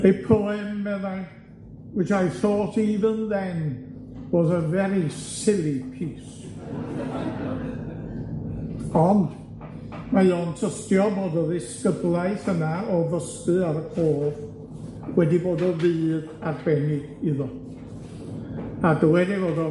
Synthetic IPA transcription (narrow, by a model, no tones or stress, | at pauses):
ejpʰoːɨmːɛða | wɪtajθoːtʰiðɨnðɛnb̥oːðəvɛɾisɪlˠipʰiːs | ɔnd | majoːntʰəstjɔboːdɔðɪskəblˠaɨθənaɔvəstɨaɾəkʰoːð | wɛdiboːdɔvɨːðadrɛnɪ | iðɔ | adəwɛdivoːdɔ